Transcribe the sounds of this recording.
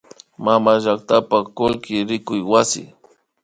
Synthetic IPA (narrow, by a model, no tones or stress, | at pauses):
mamaʒak̚t̪apakʊlkɪɾɪkʊjwasɪ̰